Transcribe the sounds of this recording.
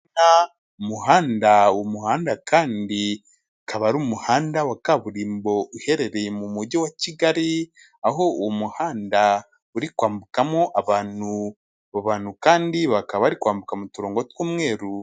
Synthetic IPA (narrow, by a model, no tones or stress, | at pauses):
na | umuhaːndauomuhaːndakʰaːndi | kʰaβaɾuːmuhaːndawakaβuɾiːmbo̞uhe̞ɾe̞ɾemumuɾɟowaciɡaɾi | aɦo̞uwmuhaːnda | uɾikwaːmbukamoʔaβaːnu | βaβaːnhukaːndiβakaβaɾikwaːmbukamutuɾo̞ːŋɡotwuːmŋe̞ːɾu